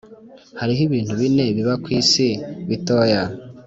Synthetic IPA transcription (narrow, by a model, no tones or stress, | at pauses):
haɾiɦiβiːn̥huβine̞βiβakwiːsiβitoːja